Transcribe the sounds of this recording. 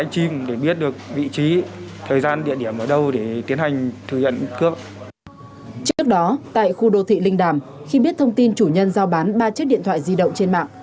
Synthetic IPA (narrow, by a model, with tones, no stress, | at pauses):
a˧jŋ̟t͡ɕi˧mɗe˧˩ɓi˦˥ət̚ɗɨ˨˩ək̚vḭ˧˨t͡ɕi˨˦t̪ʰəː˨˩jzaː˧nɗḭ˧˨əɗi˧˩əmʔəː˧˩ɗə˧wɗe˧˩t̪i˨˦ənha˨˩jŋ̟t̪ʰɨ˨˧˩ɲə̰˧˨nkɨ˦˥əp̚ | t͡ɕɨ˦˥ək̚ɗɔ˨˦t̪a̰ː˧˨jxu˧ɗo˧˩t̪ʰḭ˧˨lï˧ŋ̟ɗaː˧˩mxi˧ɓi˦˥t̚t̪ʰə˧wŋ͡mt̪i˧nt͡ɕu˧˩ɲə˧nzaː˧wɓaː˨˦nɓaː˧t͡ɕi˦˥k̚ɗḭ˧˨ət̪ʰwaː˧˨jzi˧ɗə̰˧˨wŋ͡mt͡ɕe˧nma̰ː˧˨ŋʔ